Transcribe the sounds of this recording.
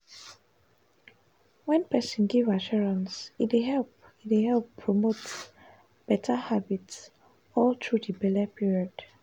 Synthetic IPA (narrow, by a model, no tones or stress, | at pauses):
wɛ̃npɛsɔ̃nɡivaʃuɹãnsitweɦɛlp | itehɛlppʰːɹɔmot | b̥ɛtʰəhabits | ɔltʰɹudibɛləpiɹiɔd̥